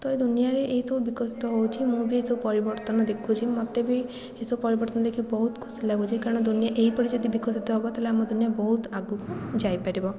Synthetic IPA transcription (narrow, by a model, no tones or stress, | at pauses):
t̪ɔed̪unijaɾeʔeisɔbubikɔsit̪ɔɦɔut͡ʃʰimũbʱiesɔbupɔɾibɔɾt̪ɔnɔd̪ekʰũt͡ʃʰimɔt̪ebʱi | esɔbupɔɾibɔɾt̪ɔnɔd̪ekʰibɔɦut̪kʰʊ̥silaɡut͡ʃʰikaɾɔ̃ɳ̃ɔd̪unijaʔeɦipɔɽid͡ʒɔd̪ibikɔsit̪ɔɦɔbɔt̪aleamɔd̪unijabɔɦut̪aɡukd͡ʒajpaɾibɔ